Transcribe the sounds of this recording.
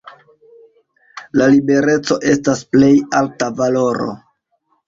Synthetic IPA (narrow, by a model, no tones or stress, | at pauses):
lalibe̞ɾe̞t͡so̞ʔe̞stasple̞jaltavalo̞ɾo̰